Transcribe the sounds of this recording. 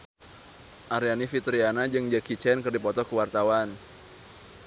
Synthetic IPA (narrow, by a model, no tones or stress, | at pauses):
ʔaɾianifit̪ɾianad͡ʒɨŋd͡ʒakit͡ʃɛnkərdipɔt̪ɔkəwart̪awan